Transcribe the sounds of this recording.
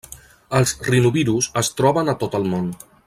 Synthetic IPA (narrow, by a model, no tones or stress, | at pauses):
əlˠzrinuβiɾusəst̪ɾɔβənət̪ot̪əlˠmon